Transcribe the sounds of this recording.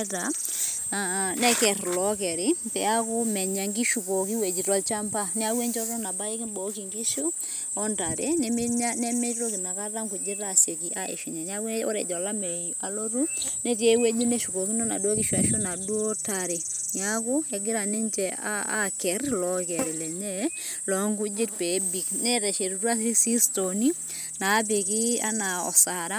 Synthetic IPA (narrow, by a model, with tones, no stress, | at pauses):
ta˨ | nɛ˦kɛ˨rlɔ˨˦k̬ɛ˨ɾɪ˨˦pɛ˨a˦kʊ˦mɛ˨ɲa˨ŋɡi˦ʃu˨ko˨ki˦we˨d͡ʒi˨tɔ˨lt͡ʃa˦mpa˦nɛ˦a˦we˦ɲt͡ʃɔ˦ɾɔ˦na˨ba˦e˦kɪ˦bɔ˨˦ki˨ŋɡi˦ʃu˦ | ɔ˦nta˨ɾe˦nɛ˦m˦ɲa˦nɛ˦mɛ˦ɾo˦kɪ˨na˨ka˦ta˦ŋku˨d͡ʒɪ˦ta˦˨se˨ki˨ʔa˦ʔḛ˨ʃi˨ɲa˨n˦a˦o̰˦ɾɛ̰˨d͡ʒɔ˨la˦mɛ˨a˨lo˦ɾu˦ne˦k̬e˨˦we˦d͡ʒu˦ne˦ʃu˨ko˨ki˦no˦na̰˨dwo˦kɪ˦ʃa˨ʃu˦na˨dwo˦ta˨ɾe˨ɲa˦kʊ˦e˨ɡɪ˦ɾa˨ne˦ɲt͡ʃɛ˨a̰˦a̰˦kɛ˨rlɔ˦kɛ˨ɾi˨lɛ˨ɲɛ˦lɔ˨ŋɡu˦d͡ʒɪ˦tpe˨˦bi˨knɛ˦ɾɛ˨ʃe˨ɾu˨tu˦a˦si˦si˦sto˨ni˦ | na˨˦p̬e˨ki˦a̰˦na˨ɔ̰˨sa˨ɾa˦